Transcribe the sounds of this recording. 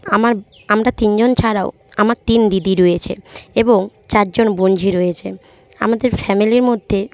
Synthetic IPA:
amaɾ | amɾat̪ind͡ʑont͡ɕʰaɾao | amaɾt̪ind̪id̪iɾojet͡ɕʰḛeboŋt͡ɕaɾd͡ʑonbond͡ʑʱiɾojet͡ɕʰe | a̰mad̪eɾfɛmiliɾmod̪ʱːe

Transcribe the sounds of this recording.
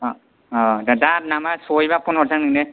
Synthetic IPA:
ɔdadat̚namasojbapɔnɔɾzaŋnɯŋnɯ

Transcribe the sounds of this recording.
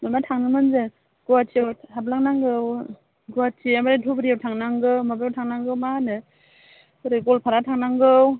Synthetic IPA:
mamatʰaŋnɯmɯnzɯ | ɡ̥uwatiawhablaŋnaŋɡɯw | ɡuwatiamaɾatʰubɾijawtʰaŋnaŋɡɯwmabjawtʰaŋnaŋɡɯwmanɯ | ɾeɡɔlpʰaɾatʰaŋnaŋɡɯw

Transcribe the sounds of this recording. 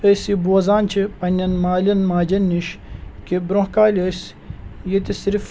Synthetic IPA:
əsibuɐzaːnt͡ʃʰipɐnʲɐnmaːlʲɐnmaːd͡ʒɐnːiʃkibɾohkaːlʲəs | jet̪isiɾf

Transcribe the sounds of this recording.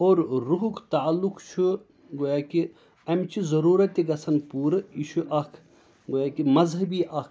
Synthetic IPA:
oːɾɾuɦukʰt̪aːlːukt͡ʃʰu | ɡoːjaːki | ɐmt͡ʃʰizɐɾuːɾɐt̪iɡɐsɐnpuːɾɨit͡ʃʰuʔɐkʰ | ɡojaːkimɐzɦɐbiːʔɐkʰ

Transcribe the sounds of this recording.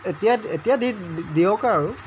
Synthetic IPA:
etijaetijadidiɔkaɹaɹʊ

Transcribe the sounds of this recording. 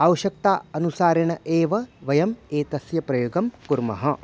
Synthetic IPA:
ɐwɐʃɐk̚t̪aːɐnusaːɾɐɳɐʔeːʋɐʋɐjɐmeːt̪ɐsjɐpɾɐjoːɡɐmkuɾmɐɦɐ

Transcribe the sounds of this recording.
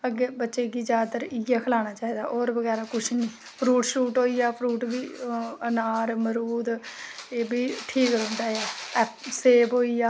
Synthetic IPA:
əɡeːbətːʃeːɡiːd͡ʒaːd̪t̪əɾɪaːkʰəlaːnaːt͡ʃaːiːd̪aːʔoːɾbəɡɛːɾaːkʊʃʰnĩː | pʰɾuːʈʃuːʈɦoːiːjaːpʰɾuːʈbiːənaːɾməɾuːd̪eːbiːʈʰiːkɾʊ̃ːnd̪aːjaːɛːpseːbɦoːiːaː

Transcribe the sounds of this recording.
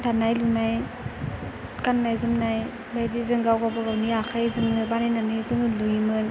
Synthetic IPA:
dʰanajlunaj | kanːajzɯmnaj | bajdizɯŋɡawɡabaɡawniakʰajzɯmɯbanajnanajzɯŋɯlujmɯn

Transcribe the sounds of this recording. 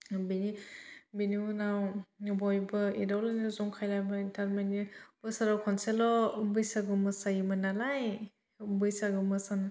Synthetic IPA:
binibinunawubɔjbɯidawlanɯzɔŋkʰajlajbaintʰaɾmenibɯsaɾawkʰɔnselɔubɯjsaɡɯmɯsajimɯnalaj | ubɯjsaɡɯmɯsan

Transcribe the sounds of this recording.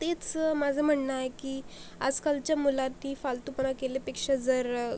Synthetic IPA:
t̪et͡smad͡zʱəm̤əɳnajkiːa̰d͡zkalt͡ɕjamulat̪iːfalt̪upnakelepekʂad͡zəɾ

